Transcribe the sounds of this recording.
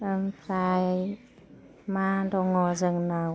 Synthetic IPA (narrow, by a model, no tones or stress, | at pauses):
ənpʰɾaj | madɔŋɔzəŋna